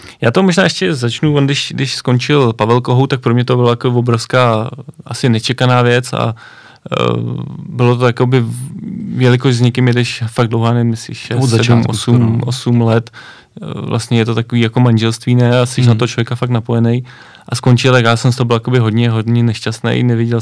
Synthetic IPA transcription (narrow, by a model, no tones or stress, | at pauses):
jaːt̪omoʒnaːʔɛʃcɛzat͡ʃnuvondɪʃdɪʃsko̞nt͡ʃɪlpavɛlkoɦowt̪ak̚pɾomɲɛt̪obɪlajakobɪvo̞bɾofskaːʔasɪnɛt͡ʃɛkanaːvjɛt͡sa̰ | bɪlot̪ojako̞bɪ | vjɛlɪkoʃzɲɛkɪmjɛdɛʃfaɡ̚dlowɦaːnɛvɪmɪsɪ̰ʃʃɛszsuːmʔosumosumlɛt̪ | vlʔa̰st̪ɲɛjɛt̪ot̪akoviːjakomanʒɛlst̪viːnɛast̪ɛʃ̬nat̪oɦot͡ʃlovjɛkafak̚tnapo̞jɛnɛj | ʔasko̞nt͡ʃɪlt̪akjaːsɛms̬t̪oɦobɪljakobɪɦo̞dɲɛɦo̞dɲɛnɛʃcast̪nḛjnɛvjɛɟɛl